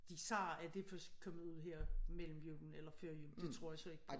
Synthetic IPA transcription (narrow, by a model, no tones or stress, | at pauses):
d̥isɑ̰̈ːæɐd̥e̝fɶskʰɒ̽mð̩ˠuð̰ˠɦɛɐ̰mel̰m̩jyb̥n̩elɐføɐ̰jud̥e̝t͡sʰʁo̝ɐ̰jasɒ̽e̝ɡ̥̚pʰ